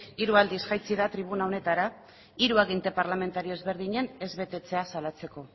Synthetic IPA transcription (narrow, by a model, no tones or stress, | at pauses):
iɾuald̪isɣajt͡siðat̪ɾiβ̞unao̞ne̞t̪aɾa | iɾuaɣint̪e̞paɾlame̞nt̪aɾio̞ezβe̞ɾðiɲe̞ne̞zβe̞t̪e̞t͡se̞asalat͡se̞ko̞